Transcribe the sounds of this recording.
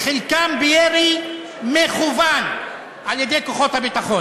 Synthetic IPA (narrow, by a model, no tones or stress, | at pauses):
χilkanbieʁi | meχuvan | aljed̪ejkoχo̞thabit̪aχo̞